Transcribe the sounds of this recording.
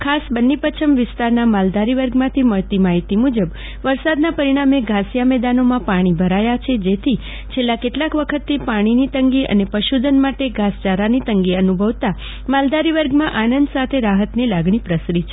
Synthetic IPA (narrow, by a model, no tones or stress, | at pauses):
kʰasbənːipət͡ʃʰəmʋɪst̪aɾnamald̪aɾiʋəɾɡmãt̪ʰiməɭt̪imaɦit̪imud͡ʒəb | ʋəɾsad̪napəɾiɽ̃ameɡʱasjamɛd̪anomãpaɽ̃ibʱəɾajat͡ʃʰed͡ʒet̪ʰi | t͡ʃʰelːakeʈlakʋəkʰət̪ːipaɽ̃init̪əŋɡiʔə̰nepəʃud̪ʱənmaʈeɡʱast͡ʃaɾanit̪əŋɡiənubʱəʋt̪a | mald̪aɾiʋəɾɡmãʔanənd̪sat̪ʰeɾaɦət̪nilaɡɽ̃ipɾəsɾit͡ʃʰe